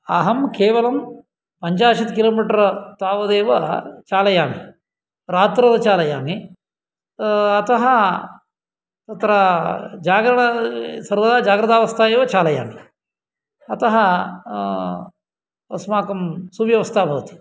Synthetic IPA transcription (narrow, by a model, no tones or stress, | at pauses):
ɐ̰ɦɐmkeːʋɐlɐm | pɐɲt͡ʃaːʃit̪kiloːmiːʈɐɾɐt̪aːʋɐd̪eːʋɐt͡ʃaːlɐjaːmi | ɾaːt̪ɾɐd̪ɐt͡ʃaːlɐjaːmi | ɐt̪ɐɦɐ | t̪ɐt̪ɾɐd͡ʒaːɡɾɐɳɐsɐɾʋɐd̪aːd͡ʒaːɡɾɐt̪aːʋɐst̪ʰaːjeːʋɐt͡ʃaːlɐja̰ːmi | ɐt̪ɐɦɐ | ɐ̰smaːkɐmsubjɐʋɐst̪ʰaːbʱɐʋɐt̪i̥